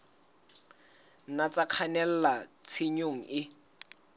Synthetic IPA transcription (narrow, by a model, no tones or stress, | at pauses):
nat͡saq͡χʰanɛl̩lat͡sʰeɲoŋ̩ɪ